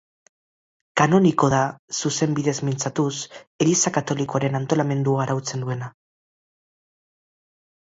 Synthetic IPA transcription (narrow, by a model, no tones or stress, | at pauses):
kano̞niko̞ðasuse̞mbiðe̞zmint͡sat̪use̞lisakat̪o̞liko̞aɾe̞nant̪o̞lame̞nd̪uaːɾawt͡se̞nd̪ue̞na